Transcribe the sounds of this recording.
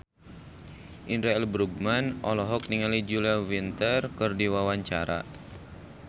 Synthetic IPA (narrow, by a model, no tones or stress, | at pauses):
ʔinɾaɛlbɾuɡ̚manʔɔlɔɦɔk̚niŋalid͡ʒuliawint̪ərkɨrdiwawaɲt͡ʃa̰ɾa̰